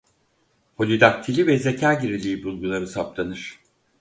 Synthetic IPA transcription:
ho̞lʲid̪ak̚t̪ʰilʲivɛzecʰaːɟiɾilʲiːbulˠɡulˠaɾɯsaplˠanɯɾ̥

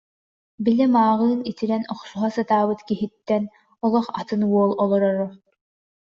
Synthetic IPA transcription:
bilɛmaːʁɯːnit̪iɾɛnɔχsuɦasat̪aːbɯt̪kiɦit̪ːɛn | ɔlˠɔχat̪ɯnuɔlˠɔlˠɔɾɔɾɔ

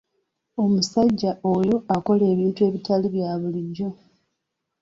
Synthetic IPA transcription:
o̞musaɟːaojo̞ako̞le̞ːβiːntue̞ːβitaliβjaːβuliɟːo̞

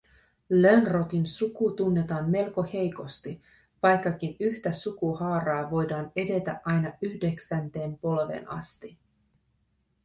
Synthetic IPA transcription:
lønro̞t̪insukut̪unːe̞t̪ɑːnme̞lko̞he̞jko̞st̪i | ʋɑjkːɑk̟inyçt̪æsukuhɑːɾɑːʋo̞jdɑːne̞de̞t̪æ̰ʔʔɑjnɑyhde̞ksænt̪e̞ːmpo̞lʋḛnʔɑ̰st̪i

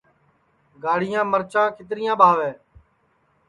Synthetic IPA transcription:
ɡaːɽ̤ɪjãːməɾt͡ʃãːkʰɪt̪ɾɪjãːɓʱaːʋeː

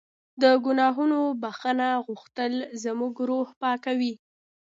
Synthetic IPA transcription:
d̪əɡʊnɑɦunobaxənaɣuxt̪əlzəmuɡɾohpɑkawi

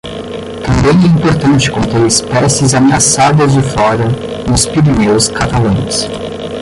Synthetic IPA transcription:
t̪ɐ̃mbẽj̃ɛĩmpoɾt̪ɐ̃nt͡ʃɪ̥kõnt̪eɾɪspɛsɪzameasad̪ɐzd͡ʒɪflɔɾɐ | nʊspiɾinewskat̪alɐ̃j̃s

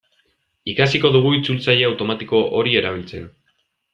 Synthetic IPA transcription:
ikasiko̞ðuɣ̞uit͡sult͡saʎe̞awt̪o̞mat̪iko̞ʔo̞ɾie̞ɾaβ̞ilt͡se̞̰n

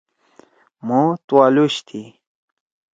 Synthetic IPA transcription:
mot̪uwaluɕt̪ʰi

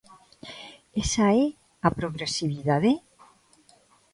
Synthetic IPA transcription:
esae | apɾoɣɾesiβiðaðe

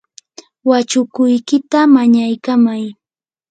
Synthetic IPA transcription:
wat͡ʃʊkʊjkɪt̪amaɲajkamaj

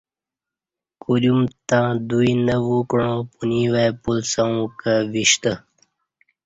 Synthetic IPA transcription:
kulumt̪ãːd̪uinəwukɳõpuniwapulsaũkəʋiɕt̪ə

